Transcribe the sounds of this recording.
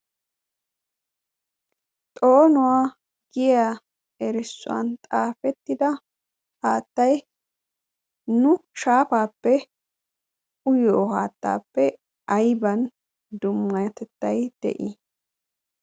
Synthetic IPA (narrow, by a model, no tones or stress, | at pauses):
t̪ʼo̞ːnʊwaː | ɡ̥ɪja | ɛɾɪsːʊ̰wɐ̰nt̪ʼaːfɛt̪ːɪd̪ɐ | haːt̪ːɐj | nʊʃaːpaːpːɛ | ʔʊjoːhaːt̪ːa̰ːpːɛ | ʔɐjbɐn | d̪ʊmːɐjɛt̪ɛt̪ːɐjd̪̥ɛ̰ʔḭ